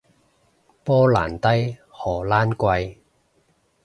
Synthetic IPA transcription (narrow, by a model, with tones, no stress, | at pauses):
pɔː˥la̰ː˨˩nt̪ɐ˥jhɔː˨˩laː˥nkʷɐ˧j